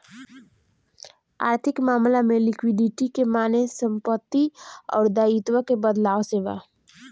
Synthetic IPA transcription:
a̰ːɾt̪ʰɪkmaːmlamẽlɪkwɪɖɪʈikemaːnesə̃mpət̪ːiɔ̰ːɾd̪aːit̪wəkebəd̪laːʋseːʋa̰

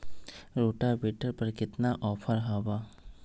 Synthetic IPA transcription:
ɾoːʈabeːʈəɾpɐɾkɪt̪naʔɔːpʰəɾɦabaː

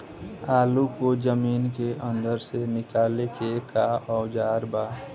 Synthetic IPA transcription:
aːlukod͡ʒəmiːnkeʔə̃nd̪əɾsenɪkaːlekekaɔʊd͡ʒaːɾbaː

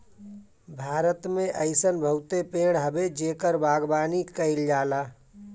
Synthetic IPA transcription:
bʱaːɾət̪mẽʔəɪsənbʱəʊt̪epeːɽ̃ɦəbed͡ʒeːkəɾbaːɡbaːnikəɪld͡ʒaːlaː

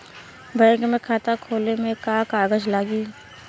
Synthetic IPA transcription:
bə̃kmẽkʰaːt̪akʰoːlemẽkaːkaːɡəd͡ʒlaːɡiː

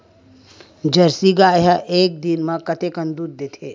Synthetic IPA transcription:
d͡ʒɐɾsiɡaːɦaʔeːk̚d̪inmɐkɐt̪ekɐnd̪uːd̪̚d̪eːt̪ʰe

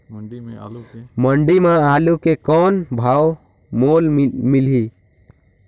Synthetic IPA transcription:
məɳɖimãalukekɔnbʱaw | molmilɦi

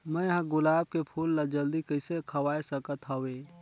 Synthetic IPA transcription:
mə̃ɦãɡʊlaːb̚kepʰuːlːad͡ʒəld̪ikəɪsekʰɐwaːesəkət̪ɦəweː

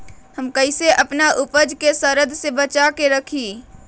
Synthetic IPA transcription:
hɐmkɐɪseʔɐpnaʔʊpəd͡ʒkesəɾəd̪ʱsebət͡ʃakeɾɐkʰiː

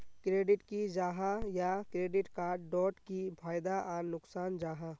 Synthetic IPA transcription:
kɾeːɖɪʈkid͡ʒaːɦajakɾeːɖɪʈkaːɾɖɖɔːʈkipʰaːjd̪aʔanʊksaːnd͡ʒaːɦa

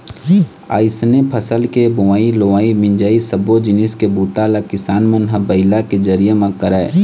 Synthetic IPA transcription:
a̰ːɪsnepʰəsəlkeboʋaːiloʋaːimɪ̃ɲd͡ʒaːisəbod͡ʒɪnɪskebuːt̪aːlakɪsaːnmənɦəbəɪlaked͡ʒəɾijemãkəɾae

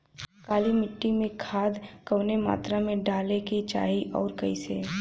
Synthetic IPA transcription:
kaːlimɪʈːimẽkʰaːd̪kəwnema̰ːt̪ɾamẽɖaːleket͡ʃa̰ːɦiʔɔːɾkəiseː

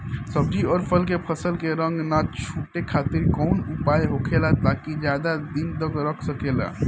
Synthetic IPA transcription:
səbd͡ʒʱiɔːɾpʰəlkepʰəsəlkeɾəŋɡnat͡ʃʰuʈekʰat̪iɾkɔʊnupajɦokʰelat̪akid͡ʒjad̪ad̪int̪əɡɾəkʰsəkela̰

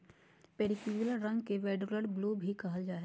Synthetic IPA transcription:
peːɽikjululəɾːɐ̃ŋɡkeʋɛːɖɾoləɽbloːbʱikɐɦəd͡ʒaːe

